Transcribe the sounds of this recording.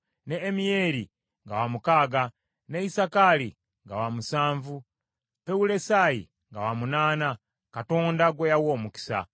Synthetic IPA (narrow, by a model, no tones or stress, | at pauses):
neːmijeɾi | ŋɡawamukaːɡa | neisakali | ŋɡawamusaːɱvu | peulesajḭ | ŋɡawamunaːna | kato̞ːndaɡwejawoːmuki̥sa̰